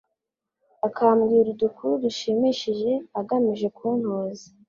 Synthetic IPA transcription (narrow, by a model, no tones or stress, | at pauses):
akʰaːmɡiːɾudukʰuɾuduʃimiʃiʒe̞aɡamiʒe̞kuːn̥hoːzi